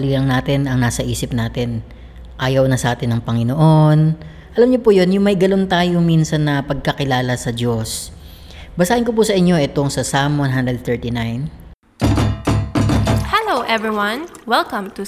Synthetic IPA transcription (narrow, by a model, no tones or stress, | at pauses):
lilɐŋnaːt̪ɪnɐŋnaːsɐʔiːsɪp̚naːt̪ɪn | ʔaːjɐwnɐsɐʔaːt̪ɪnːɐŋpɐŋɪnoʔo̞n | ʔɐlɐmɲopuːjo̞njʊŋmɐjɡɐlo̞nt̪aːjominsɐnːɐpɐɡ̚kɐkɪlaːlɐsɐd͡ʒo̞s | bɐsaːʔɪnkopuːsɐʔɪɲːo̞ʔɛt̪oŋsɐsamɐnɦand̪ɾɛd̪̚θɛɹt̪inajn | hɛlowʔɛvɹiwɐ̃nwɛlkɐ̃mt̪u